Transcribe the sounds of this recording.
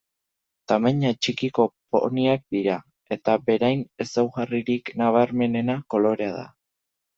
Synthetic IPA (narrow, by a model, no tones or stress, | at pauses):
t̪ameɲat͡ʃikiko̞po̰niak̚d̪iɾa | e̞t̪abe̞ɾajne̞sawɣariɾiknaβaɾme̞ne̞nako̞lo̞ɾe̞aða̰